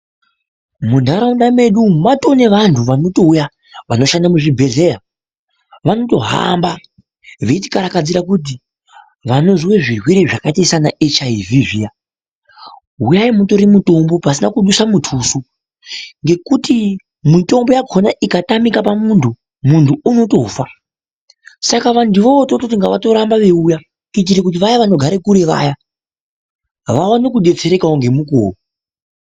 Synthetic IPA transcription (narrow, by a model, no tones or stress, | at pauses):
mundʱaɾaundame̞ɗumato̞ne̞ʋantʰuʋano̞to̞uja | ʋano̞ʃandamuʐibʱe̞ɮe̞ja | ʋano̞to̞ɦa̰mba | ʋeiti̥kaɾakad͡ziɾakut̬i | ʋano̞zweʐirwiɾeʐakataisanaʔet͡ʃaiviʐija | ɦujaimuto̞ɾimutombo̞pasinakuɗusamutʰuːsu | ŋɡe̞kuti | mito̞mbo̞jaɡʰʱonaʔikatamikapamuntʰu | muntʰuuno̞to̞fa | sakaʋandiʋo̞otototiŋɡaʋato̞ɾambaʋe̞uja | kitiɾekut̬iʋajaʋano̞ɡʱaɾekuɾe̞ʋa̰ja | ʋawanekuɗe̞t͡se̞ɾe̞kaoŋɡe̞muko̰ːro